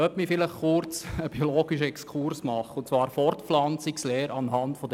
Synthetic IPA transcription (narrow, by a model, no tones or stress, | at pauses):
œpmifɪləχχʊɾt͡səb̥iɔloːɡiʃəɛkskʰuɾsmɑχːəʊnt͡svɑːɾfɔɾtflɑnt͡siksleːɾɑnɦɑntfɔd